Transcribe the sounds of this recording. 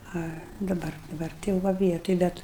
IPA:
ˈɐ dɐˈbɐr dɐˈbɐr tɐɪ jɛʊ ˈʋɐ ˈʋʲiɛtoːj ˈbʲɛt

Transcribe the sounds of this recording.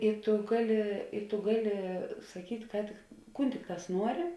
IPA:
ɪ tʊ ˈɡɑːˌlʲɪ ɪ tʊ ˈɡɑːˌlʲɪ sɐˈkʲiːtʲ ˈkɑː tʲɪk ˈkuːn ˈtʲɪkˌtɑːs ˈnuɔrʲɪ

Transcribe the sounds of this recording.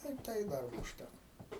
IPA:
tɐɪ ɪ ˈtɐɪ ˈdɐrboː ʊʃʲˈtʲækoː

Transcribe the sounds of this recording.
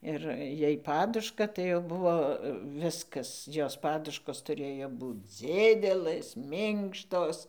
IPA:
ˈɪr ˈjɛɪ ˈpɑːdʊʃkɐ tɐɪ jɛʊ ˈbʊʋoː ˈʋʲɪskɐs ˈjoːs ˈpɑːdʊʃkoːs tʊˈrʲeːjoː ˈbuːt͡s ˈd͡zʲɪdʲɛlˠɘs ˈmʲɪŋkʃtoːs

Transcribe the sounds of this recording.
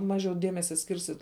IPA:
ˈmɑːʒʲɛʊ ˈdʲiɛmʲɛsʲɛ ˈsʲkʲɪrʲsʲɪt

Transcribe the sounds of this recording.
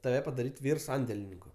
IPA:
tɐˈʋʲɛ pɐdɐˈrʲiːtʲ ˈʋʲiːr ˈsɐnʲdʲɛlʲɪnʲɪŋkʊ

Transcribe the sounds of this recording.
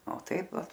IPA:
oː ˈtɐɪp ˈʋɐ

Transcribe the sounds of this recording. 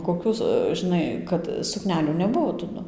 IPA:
koːˈkʲuː ʒʲɪˈnɐɪ kɐt sʊˈknʲæːlʲuː nʲɛˈbʊʋoː tɐˈdʊ

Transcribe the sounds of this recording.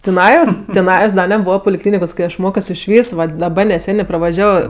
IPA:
tʲɪˈnɑːjoːs tʲɪˈnɑːjoːs ˈdɐ nʲɛˈbuːʋɐ pʊlʲɪˈklʲiːnʲɪkoːs ˈkɐɪ ˈɐʃ ˈmoːkʲoːs ɪʃʲˈʋʲiːs ˈʋɐt dɐˈbɐ nʲɛˈsʲæːnʲeː prɐʋɐˈʒʲæːʋoː

